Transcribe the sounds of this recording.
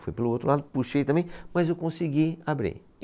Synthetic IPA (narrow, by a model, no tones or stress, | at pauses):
fojpeluot̪ɾlad̪ʊpuʃejt̪ɐ̃mbẽj̃mɐzewkõsiɡiabɾḭ